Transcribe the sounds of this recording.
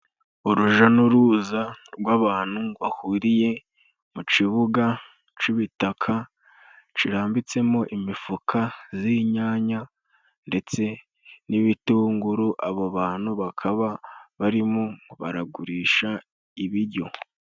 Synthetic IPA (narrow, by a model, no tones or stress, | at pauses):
uɾuʒanuɾuːzaɾɡwaːβaːn̥huβahuɾije̞ | mut͡ʃiβuɡa | t͡ʃiβitakʰa | t͡ʃiɾaːmbit͡se̞mo̞ʔimifukʰaziɲaːɲa | nde̞t͡se̞ | niβituːŋɡuɾuʔaβoβaːn̥huβakʰaβaβaɾimoβaɾaɡuɾiːʃa | iβiɾɟo̞